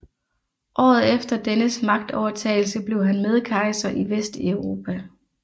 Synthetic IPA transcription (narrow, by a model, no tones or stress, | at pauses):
ʔɒ̰ːð̞̩ˠefd̥ɐd̥enəsmɑ̈ɡ̥̚d̥ɒʊɐt͡sʰɛ̰ɪl̩səb̥le̝ʊɦænme̝ð̞ˠkʰɑ̈ɪsɐʔiʋesd̥eʊʁo̝ːpʰæ